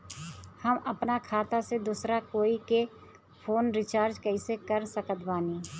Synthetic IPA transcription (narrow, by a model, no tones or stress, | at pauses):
həməpnakʰaːt̪ased̪uːsɾakoːike | pʰoːnɾɪt͡ʃaːɾd͡ʒkəɪsekəɾsəkət̪baːniː